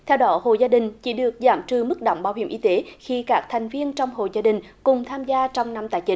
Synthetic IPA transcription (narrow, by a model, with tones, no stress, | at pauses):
t̪ʰɛ˧wɗɔ˨˦ho̰˧˨zaː˧ɗï˨˩ŋ̟t͡ɕḭ˧˩˦ɗɨ˨˩ək̚za̰ː˧˩˦mt͡ɕɨ˧˩mɨ˦˥k̚ɗo̰˧˨wŋ͡mɓaː˧wɦi˧˩əʔi˧t̪e˨˦xi˧kaː˦˥k̚t̪ʰɛ˨˩jŋ̟vi˧ənt͡ɕɔ˧wŋ͡mho̰˨zaː˧ɗï˨˩ŋ̟ | kʊ˨˩ŋ͡mt̪ʰaː˧mzaː˧t͡ɕɔ˧wŋ͡mna˧mt̪aː˧˩jt͡ɕï˨˦ŋ